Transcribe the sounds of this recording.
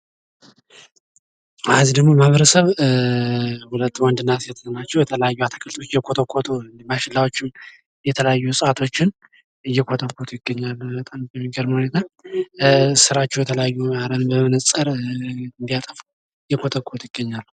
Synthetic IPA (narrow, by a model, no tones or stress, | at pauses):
azid̪əɡmo̞mahaβəɾəsəβ | hulət̪ːwɔnd̪ɨnːat̪jɛt̪ʰə̥sənat͡ʃːɛwjɛt̪ʰələjajːuat̪ʰəkʰəlt̪ʰot͡ʃːjɛkʰo̞t̪ʰokʰːo̞t̪ʰond̪baʃɪlːawot͡ʃːɪm | jɛt̪ʰələjajːusʼat̪ʰo̞t͡ʃːɪn | ɨjɛkʰo̞t̪ʰəkʰːo̞t̪ʰjɪɡːəɲːalːbət̪ʼamjɛmːiɡəɾməhune̞t̪ʰa | sɨɾat͡ʃːɛwjɛt̪ʰələjajːuaɾənbəmənəəɾɨnd̪ijat̪ʼəfu | jɛkʰo̞t̪ʰəkʰːot̪jɪɡ̥ːəɲːalː